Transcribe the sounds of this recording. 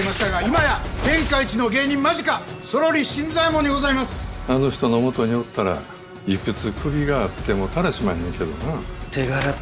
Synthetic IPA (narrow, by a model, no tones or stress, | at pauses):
imaɕt̪aɡaimajat̪ẽ̞ŋkait͡ɕino̞ɡe̞ːɲ̟ĩmːaʑikaso̞ɾo̞ɾʲiɕĩnd͡zaimoɲːiɡozaimasɨ̥ano̞çʲi̥t̪o̞no̞mo̞t̪o̞ɲ̟io̞t̪ːaɾa̰ | ikɯ̟t͡sɨkʰɯ̟bʲiɡaːt̪ːe̞mo̞t̪aɾaɕima̰ɦẽ̞ŋke̞d̪o̞̰nat̪ʰe̞ɡaɾa